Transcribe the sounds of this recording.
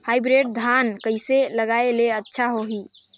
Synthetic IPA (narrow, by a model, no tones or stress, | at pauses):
hajbɾeʈ̚d̪ʱankəɦiseləɡaeleətːʃʰaɦoɦi